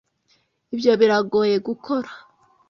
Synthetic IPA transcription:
ibjo̞βiɾaɡo̞ːje̞ɡukʰo̞ɾa

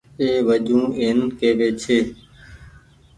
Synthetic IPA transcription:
eːʋəd͡ʒũːeːnkeːʋeːt͡ʃʰeː

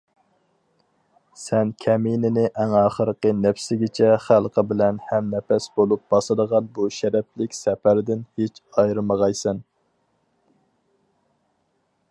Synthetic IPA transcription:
sɛnkʲʰɛminɪnɪʔɛŋɑːχəɾəqənɛfsɪɡʲɪt͡ʃʰɛχælˠqʰəbɪlɛnhɛmnɛpɛsbolˠup̚b̥ɑsɨd̪əʁɑnbuʃɛɾɛplɪkʲsɛpæɾd̪ɪnhet͡ʃɑjɾɨməʁɑjsɛn

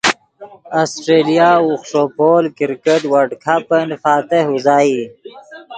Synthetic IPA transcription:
asʈɾeːlijauxʂopoːlkiɾkeʈwaɖkʰapənfaːt̪eɦuzaːi

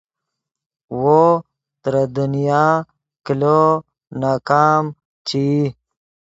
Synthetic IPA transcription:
wo | t̪ɾad̪unijaː | kilo | naːkaːm | t͡ɕi

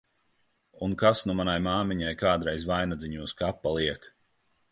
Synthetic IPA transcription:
unkasnumanajmaːmiɲajkaːd̪ɾɛjzvajnad̪ziɲuːskapːalˠiɛk

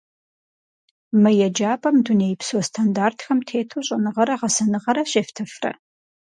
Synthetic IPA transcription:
mɨjɛd͡ʒaːpʼɐmdunejpswɔstʰandaːrtʰxɐmtʰeːtʰoɕʼɐnɨʁɐɾɐʁɐsɐnɨʁɐɾɐɕeftʰɨfrɐ̰

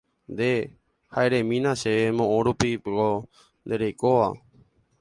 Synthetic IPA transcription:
nd̪e | haeɾemĩnãʃeemõʔõɾupiɡo | nd̪eɾejkoʋa̰

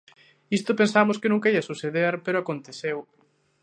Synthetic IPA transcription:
ist̪ʊpensamʊskɪnũŋkaiɐsuseðeɾpeɾʊakont̪eθew

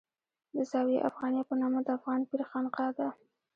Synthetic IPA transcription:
d̪əzɑweʔa̰fɣɑnjɑpənɑmad̪əafɣɑnpiɾxɑnqɑd̪a

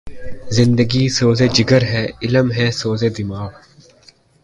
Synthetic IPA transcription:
zɪ̃nd̪əɡiːsoːzeːd͡ʒɪɡəɾɦɛːɪləmɦɛːsoːzeːd̪ɪmaːɣ

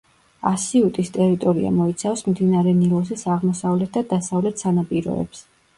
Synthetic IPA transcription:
asiut̪ʼist̪ʼɛɾit̪ʼɔɾia̰mɔit̪sʰafsmmd̪inaɾɛnilˠɔs̬isaʁmɔsavlɛt̪̚ʰd̪ad̪asavlɛt̪ʰsanapʼiɾɔ̰ɛ̰ps

